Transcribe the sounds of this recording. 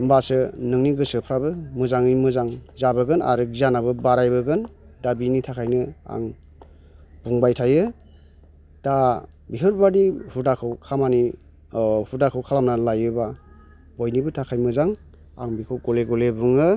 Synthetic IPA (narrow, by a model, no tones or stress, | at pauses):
mbasɯnɯŋniɡɯsɯpʰɾabɯmɯzaŋimɯzaŋzabɯɡɯna̰ɾɯɡizanabɯbaɾajbɯɡɯn | dabinitʰakʰajnɯa̰ŋ | b̥uŋbajtʰajɯ | d̥a | biɦɯɾbadihudakʰɯwkʰamani | hudakʰɯwkʰalamnalajɯba | bɔjnibɯtʰakʰajmɯzaŋ | a̰ŋbikʰɯwɡɔleɡɔlebuŋɯ